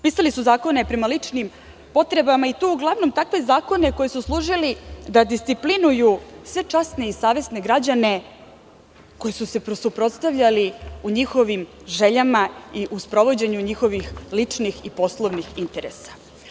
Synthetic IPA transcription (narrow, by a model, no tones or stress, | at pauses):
piːsalisuzaːko̞ne̞pɾemalit͡ʂnim | po̞t̪ɾe̞bamait̪uuɡlˠaʋno̞mt̪akʋe̞zaːko̞ne̞ko̞jesuslˠuːʐilid̪ad̪ist̪siplinujusʋe̞t͡ʂasne̞isaːʋe̞sne̞ɡɾad͡ʑane̞ | ko̞jesuse̞pɾosupɾo̞t̪st̪aʋʎaliuɲixo̞ʋim | ʐe̞ʎamaiʔuspɾo̞ʋo̞d͡ʑe̞ɲuɲixo̞ʋixlit͡ʂnixipo̞slˠoʋnixint̪e̞ɾḛsḁ